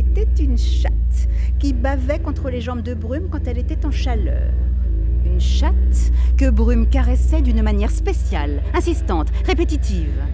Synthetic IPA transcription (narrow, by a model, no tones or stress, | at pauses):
et̪ɛt̪ynʃat̪kʲibavɛkɔ̃t̪χəleʒɑ̃bd̪əbʁymkɑ̃t̪ɛlet̪ɛt̪ɑ̃ʃalœ̰ʁynʃat̪kəbʁymkaʁɛsɛd̪ynmanjɛʁspesjal | ɛ̃sist̪ɑ̃t̪ʁepet̪it̪ʰiv